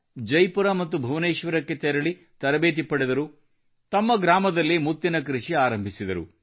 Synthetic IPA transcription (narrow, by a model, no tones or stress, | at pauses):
d͡ʒɐjpuɾɐmɐt̪ːubʱɐʋneːʃʋɐɾɐkːet̪ɛɾɐɭi | t̪ɐɾɐbeːt̪̬ipɐɽɛd̪ɐɾu | t̪ɐmːɐɡɾaːmɐd̪ɐlːimut̪ːinɐk̬ɾiʂiaːɾɐmbʱisid̪ɐɾṵ